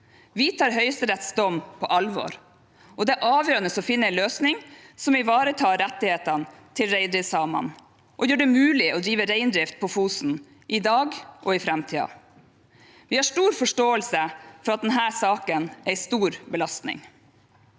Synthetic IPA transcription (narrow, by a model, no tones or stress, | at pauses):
ʋɪt̪ʰɑːɾɦœʏəst̪əɾɛt̪sd̪ɔmpʰɔʔɑlʋo̰ːɾ | ʔɔd̪ɛæʔɑːʋjøːɾənəsɔfɪnːəæɪløːsnɪŋsɔmʋɪʋɑːɾət̪ʰɑːɾɛt̪ːɪheːt̪ənt̪ʰɪlɾæɪd̪ɾɪsɑːmɑ̰n | ʔɔjøːɖɛmʉːlɪʔɔd̪ɾiːʋəɾɛɪnd̪ɾɪft̪̚pʰɔfuːsn̩ | ʔɪd̪ɑːɡʔɔɪfɾɛmt̪ʰiːɑ̰ | ʋɪhɑʂʈuːɾfɔʂʈoːəlsəfɔɾɑt̪̚d̪ɛnɦæːsɑːkənæɪst̪uːɾbəlɑst̪nɪ̰ŋ